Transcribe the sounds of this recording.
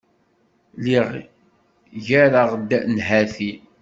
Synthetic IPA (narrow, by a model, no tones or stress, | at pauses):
liʁ | ʝæɾaʁd̪nɦæθi